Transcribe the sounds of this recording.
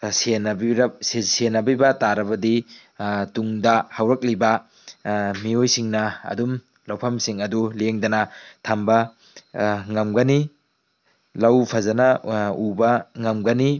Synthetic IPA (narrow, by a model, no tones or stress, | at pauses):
senbiɾsesenːɐbibɐtaɾɐbɐdi | tuŋdɐhɐwɾɐk̚libɐ | miojsiŋnɐɐ̰dum | lawpʰɐmsiŋɐduleŋdɐnɐtʰambɐ | ŋɐmɡɐni | lawpʰɐzɐnɐubɐŋɐmɡɐni